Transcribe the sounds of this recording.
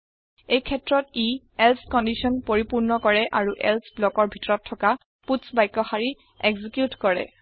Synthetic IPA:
ejkʰɛtɹɔti | ɛlskɔndisɔnpoɹipuɹnɔkɔɹɛʔaɹuʔɛ̰lsblɔkɔɹbʱitɔɹɔtʰːɔka | putsbajkːɔxaɹi | eɡzikjutkɔɹɛ̰

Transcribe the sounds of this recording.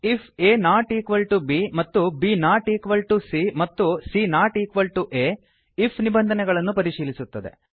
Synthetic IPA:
ipʰeːnaːʈiːkʋɐlʈubimɐt̪ːubinaːʈiːkʋɐlʈusimɐt̪ːusinaːʈiːkʋɐlʈuʔeː | ipʰnibɐnd̪ʱɐnɛɡɐɭɐnːupɐɾiʃiːlisut̪ːɐd̪e̞̰

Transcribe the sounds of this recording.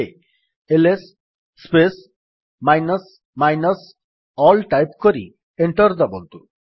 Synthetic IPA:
e | elesː | pes | majnɔs | majnɔs | ɔlʈajpkoɾḭ | eɳʈɔɾd̪ɔbont̪u

